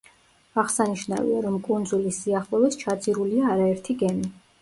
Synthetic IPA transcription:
aʁsaniʃna̰vḭaɾɔmkʼund̪zulisiaχlˠɔbist͡ʃʰad̪zʼiɾuliaːɾaɛɾt̪ʰiɡɛni

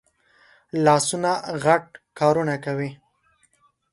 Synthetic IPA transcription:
lɑsunaɣaʈ̚kɑɾunakawi

